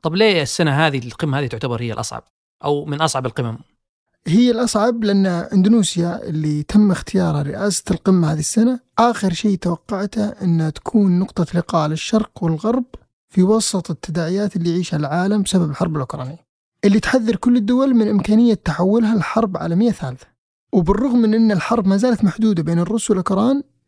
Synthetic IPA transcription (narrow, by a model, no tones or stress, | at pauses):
t̪ˤɑbleːɪsːanaɦaːðiqɪmːahaːðit̪ʊʕt̪abɑɾˤhɪjːalʔɑ̰sˤʕɑ̰b̚ | ʔawmɪnʔɑsˤʕɑbɪlqɨmam | ɦɪjːalʔɑsˤʕɑablɪʔanːaʔɪnd̪ʊnuːsjaʔɪ̰lːit̪ʰɪmːɪxt̪ʰɪjɑːɾˤhaɾɪʔaːsḁlqɪmːahaːðiɪsːanaʔaːxɪɾʃeːt̪awɑqːɑʕt̪haʔɪnːat̪ḁkʰuːnːʊqt̪ˤɑlɪqɑːlɪʃːɑɾˤqwɪlɣɑɾˤb̚ | fiwɑsˤɨt̪ˤɪt̪ːad̪aːʕɪjaːt̪ɪlːijʕiːʃhalʕaːlambɪsababɪlħɑɾˤbɪlʔʊkɾˤɑ̰ːnɪjː | ʔɪlːit̪ħaðːɑɾˤkʊlːɪd̪ːʊwalmɪnʔɪmkaːnɪjːat̪ːaħawːʊlɦalħɑɾˤbʕa̰ːlamɪjːaθaːlθḁ | wbɪrˤːʊɣmːɪnʔɪnːɪlħɑɾˤbmazaːlat̪maħd̪uːd̪abeːnɪrˤːʊswɪlʔʊkɾˤɑːn